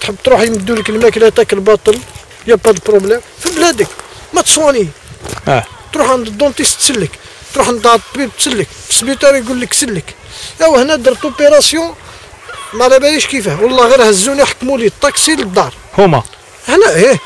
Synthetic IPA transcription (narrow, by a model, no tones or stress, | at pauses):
t̪ħəbːt̪ɾuħjməd̪ːuləkəlmæklæt̪ækəlbɑt̪ˤəl | jəbɑd̪lpɾoblɛmfiblæd̪ək | mæt̪swɑni | t̪ɾuħʕand̪d̪ːõnt̪ˤist̪səlːək | t̪ɾuħnt̪ʕəd̪t̪ːˤbib̚t̪səlːək | fi̥sbit̪ɑɾijɡulːəkːsəlːək | æwəhnæd̪əɾt̪opeɾˤɑsjɔ̃ | malæbæjiʃkifæhwɑlˤːɑɣiɾhæzːuniħḁkːmulit̪ˤːɑksiləd̪ːɑɾˤ | hʊmæ̰ | ʔəħnæʔi